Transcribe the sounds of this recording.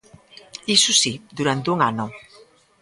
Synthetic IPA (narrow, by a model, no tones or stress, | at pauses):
isusid̪uɾant̪uŋanʊ